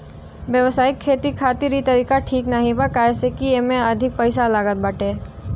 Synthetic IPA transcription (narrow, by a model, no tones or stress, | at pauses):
ʋjɐʋsaːikʰːeːt̪ikʰaːt̪ɪɾit̪ɐɾiːkaʈʰiːknaɦĩbakaɛːsekiemẽɐd̪ʱɪk̚pəɪsalaːɡət̪̚baːʈeː